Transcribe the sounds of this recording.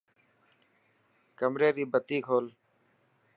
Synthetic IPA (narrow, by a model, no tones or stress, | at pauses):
kəmɾeːɾiːbət̪iːkʰoːl